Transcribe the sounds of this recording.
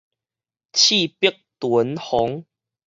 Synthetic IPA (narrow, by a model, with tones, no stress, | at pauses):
t͡ɕʰi˥˨pə˦k̚t̪wu˨˦nhɔ˨˦ŋ